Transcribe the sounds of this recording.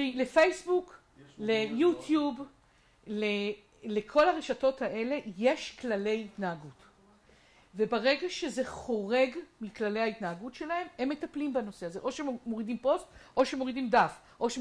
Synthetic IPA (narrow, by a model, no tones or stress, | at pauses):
ile̞fejsbuk | lejutjub | le | lekʰo̞laʁeʃato̞thaʔe̞le̞je̞ʃklale̞jitnaaɡut | ve̞baʁe̞ɡaʃe̞ze̞χo̞ʁe̞ɡmiklaleaitnaaɡutʃe̞lae̞memːe̞taplimbano̞se̞aze̞ʔo̞ʃemo̞ʁidimpo̞stʔo̞ʃeemo̞ʁidimdaf | ʔo̞ʃe